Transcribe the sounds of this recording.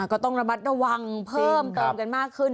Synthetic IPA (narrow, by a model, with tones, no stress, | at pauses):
a˧˩kɔː˥˩t̪ɔ˥˩ŋɾa˧ma˦˥t̪̚ɾa˧wa˧ŋpʰɤː˥˩mt̪ɤː˧mka˧nmaː˥˩kʰːɯ˥˩n